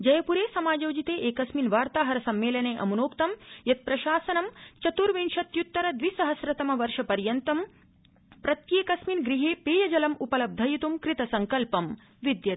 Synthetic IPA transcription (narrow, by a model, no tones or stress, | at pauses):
d͡ʒɐjɐpuɾeːsɐmaːd͡ʒɐwd͡ʒit̪eːʔeːkɐsminʋaːɾt̪aːɦɐɾɐsɐmːeːlɐneːʔɐ̰munoːkt̪ɐmjɐt̪̚pɾɐʃaːsɐnɐmt͡ʃɐt̪uɾʋinʃɐt̪jut̪ːɐɾɐd̪ʋisɐɦɐsɾɐt̪ɐmɐʋɐɾʃɐpɐɾjɐnt̪ɐm | pɾɐt̪jeːkɐsminɡɾiɦeːpeːjɐd͡ʒɐlɐmupɐlɐb̚d̪ʱɐjit̪umkɾit̪ɐsɐŋkɐlpɐm | ʋid̪jɐt̪